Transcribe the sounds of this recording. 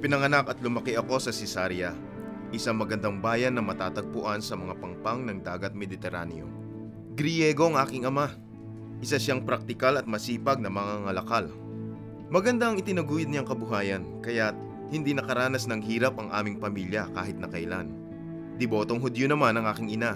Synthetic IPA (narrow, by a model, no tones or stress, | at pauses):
pɪnɐŋɐnakɐt̪lʊmɐkɪʔɐko̞sɐsɛsaɾjɐ | ʔɪsaŋmɐɡɐnd̪aŋbaːjɐnːɐmɐt̪aːt̪ɐɡ̚pʊʔansɐmɐŋapɐŋpaŋnɐŋd̪aːɡɐt̪̚mɛd̪ɪt̪ɛɾa̰njo̰ | ɡɾɪjɛɡo̞ʔɐŋʔaːkɪŋɐma | ʔɪsaʃaŋpɾɐk̚t̪ɪkalɐt̪̚mɐsiːpɐɡ̚nɐmɐŋaŋɐlɐkal | mɐɡɐnd̪aʔɐŋɪt̪ɪnɐɡuːjʊd̪̚ɲaŋkɐbʊɦaːjɐnkɐjat̪̚ | hɪnd̪inɐkɐɾaːnɐsnɐŋɦiːɾɐpɐŋʔa̰ːmɪŋpɐmiljɐkaːɦɪt̪̚nɐkɐjla̰n | d̪ɪbo̞ːt̪o̞ŋɦʊd̪jonɐmanɐŋʔaːkɪŋʔɪna